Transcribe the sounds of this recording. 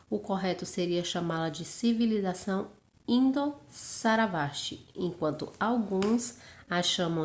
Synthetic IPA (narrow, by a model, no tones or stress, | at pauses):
ʊkoɦɛt̪ʊseɾiɐʃamalɐd͡ʒɪsivilizasɐ̃w̃ | ĩnd̪osaɾavaʃt͡ʃɪ̰ẽkwɐ̃nt̪ʊawɡũsaʃɐ̃mɐ̃